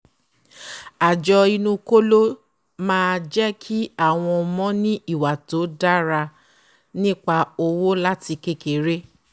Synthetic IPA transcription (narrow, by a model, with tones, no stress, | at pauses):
a˨d͡ʒɔ˧i˧nũ˧ko˦lo˦ | mãː˦˧d͡ʒɛ˦kʰi˦a˦˨w̃ɔ̃˧mɔ̃˦nĩ˦i˦˨wa˨to˨˦da˦ɾa˧ | nĩ˦k͡pa˧o˧wo˦la˦ti˧ke˦ke˨ɾe˦